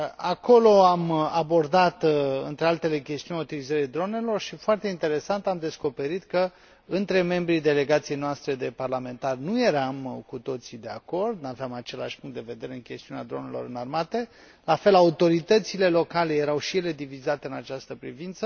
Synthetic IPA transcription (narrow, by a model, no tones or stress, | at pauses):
ako̞lo̞amabo̞rd̪at̪ɨnt̪ɾealt̪e̞le̞kʲe̞st̪iunʲaut̪ilizəɾejd̪ɾo̞ne̞lo̞rʃifoart̪eint̪e̞ɾe̞sant̪amd̪e̞sko̞pe̞ɾit̪kə | ɨnt̪ɾe̞me̞mbɾid̪e̞le̞ɡat̪sije̞jnoast̪ɾe̞d̪e̞parlame̞nt̪arnuje̞ɾamkut̪o̞t̪sid̪e̞a̰ko̞rd̪naveamat͡ʃe̞laʃpuŋkt̪d̪e̞ve̞d̪e̞ɾe̞ɨnkʲe̞st̪iunead̪ɾo̞ne̞lo̞ɾɨnarmat̪e̞ | lafe̞laut̪o̞ɾit̪ət̪sile̞lo̞kale̞je̞ɾawʃije̞le̞d̪ivizat̪e̞ɨnat͡ʃast̪əpɾivint̪sə